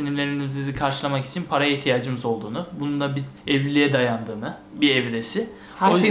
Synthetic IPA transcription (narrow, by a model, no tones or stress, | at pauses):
inimlʲe̞ɾinizsizikʰaɾʃɯlˠamaki̥t͡ʃʰinpʰaɾajiht̪ʰijaːd͡ʒɯmɯzo̞lˠd̪uːnʊbunund̪abiɛvlʲijɛd̪ajand̪ɯːnɯ | biɛvlʲesɪ | oj